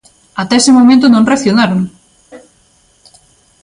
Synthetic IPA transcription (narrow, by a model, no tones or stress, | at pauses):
at̪ɛesɪmomẽnt̪̬ʊnõŋreθjonaɾoŋ